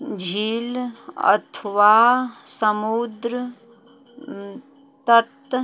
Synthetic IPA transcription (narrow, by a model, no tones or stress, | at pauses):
d͡ʒʱiːlɐ̰t̪ʰʋaːsəmud̪ɾə | t̪ət̪